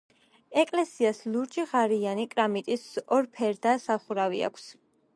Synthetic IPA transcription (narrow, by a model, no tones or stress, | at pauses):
ɛkʼlɛsiasluɾt͡ʃʼiʁaɾianikʼɾamit̪ʼisɔɾpʰɛɾd̪asaχuɾavḭa̰kʰs